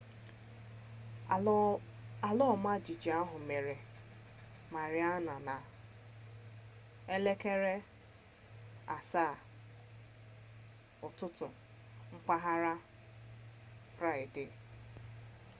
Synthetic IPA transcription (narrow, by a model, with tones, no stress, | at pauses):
a˨lɔ˦˨ma˦˨d͡ʒi˨d͡ʒi˨a˦ɦʊ˨me˨ɾe˨ | ma˨ɾɪ˦a˦na˨na˨ | e˦le˦ke˦ɾe˦ | a̰˨sa˦˨ | ʊ˨tʊ˦tʊ˨ | ŋ͡m̩˦k͡pa˦ɦa˦ɾa˦ | fɾa˦ɪ˨dɪ˨